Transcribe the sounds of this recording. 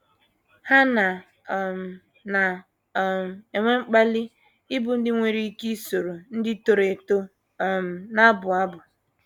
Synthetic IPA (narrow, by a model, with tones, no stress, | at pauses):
ha˦na˨ | m̩˨ | na˨ | m̩˨e˨ŋʷe˦ŋ͡m̩˦k͡pa˦lɪ˦ | ɪ˦bʊ˨n̩˦dɪ˦ŋʷe˨ɾi˦ki˦so˨ɾo˨n̩˦dɪ˦to˨ɾe˨to˦˨ | m̩˨na˦bʊ˨a˦bʊ˨